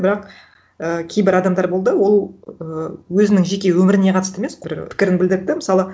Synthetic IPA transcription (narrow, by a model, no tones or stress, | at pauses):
bɪɾɑq | əkʲʰe̞jbɪɾɑd̪ɑmd̪ɑɾbo̞lˠd̪əwo̞lˠəwɵzɪnɪŋʒekʲe̞wɵmɪɾɪne̞qʰɑt̪əst̪əemesbɪɾpʰɪ̥kʲɪɾɪnbɪld̪ɪɾɪd̪ɪmɪsɑlˠə